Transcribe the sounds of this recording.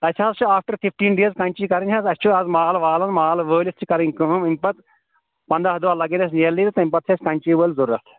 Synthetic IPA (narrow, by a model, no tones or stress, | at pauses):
ɐt͡ʃʰaːzt͡ʃʰuaːfʈɐɾfifʈiːnɖiɐzkɐnʲt͡ʃikɐɾinʲʰɐzɐst͡ʃʰuɐzmaːlʋaːlɐnmalʋəːlist͡ʃʰikɐɾĩŋkɨɦɨmimʲpɐt̪ | pɐnd̪aɦɐd̪uʋaːlɐɡẽnɐs̬niɐlːiːɾt̪ɐimʲpɐt̪ʰeskɐnʲt͡ʃiːʋəːlzɐɾɾɐt̪